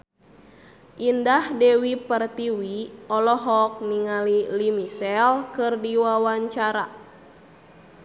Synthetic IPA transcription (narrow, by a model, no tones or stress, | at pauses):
ʔindahdɛwipərt̪iwiɔlɔɦɔk̚niŋalilimisɛlkɨrdiwawaɲt͡ʃaɾa